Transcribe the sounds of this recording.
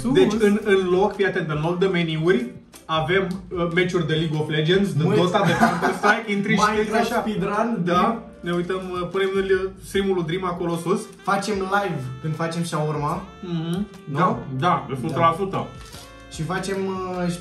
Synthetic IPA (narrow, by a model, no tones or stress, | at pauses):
d̪et͡ʃʲɨnɨnlo̞kpjat̪end̪enold̪əmeniurʲ | ave̞mːe̞t͡ʃurʲd̪eliɡofled͡ʒensd̪eost̪ad̪efamposajint̪ɾiʃaiaʃapid̪ɾand̪a | ne̞ujt̪əmpune̞mɨlʲst̪ɾimulud̪ɾimako̞lo̞sus | fat͡ʃe̞mlajvkɨnd̪fat͡ʃe̞mʃaurma | d̪ad̪asut̪əlasut̪ə̰ | ʃifat͡ʃe̞m